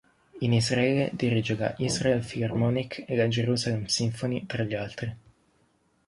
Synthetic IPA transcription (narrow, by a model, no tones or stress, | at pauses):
inizraɛːled̪iɾid͡ʒeka̰ʔizraelfilarmɔːnikʰelad͡ʒeɾuzalɛmsiɱfonit̪ɾaʎːialt̪ɾi